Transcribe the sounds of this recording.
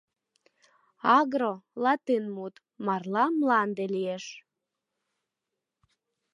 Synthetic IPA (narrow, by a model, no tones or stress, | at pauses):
ɑɣɾolɑt̪inmut̪ | mɑrlɑmlɑnd̪elieʃ